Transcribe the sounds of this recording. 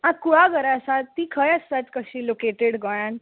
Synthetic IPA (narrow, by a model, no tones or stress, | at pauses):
ãkuɭaɡəɾaəsat̪ːiːkʰəjəst̪at̪kəɕiːlokeʈeɽɡɔjãn